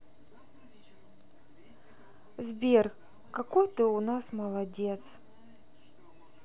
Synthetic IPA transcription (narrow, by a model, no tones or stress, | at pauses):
zbʲerk | kɐkojt̪ɨʊnasməlˠɐdʲet̪s